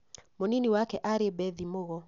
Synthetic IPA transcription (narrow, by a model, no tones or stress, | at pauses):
moniniwakɛʔaɾɪebɛðimoɣɔ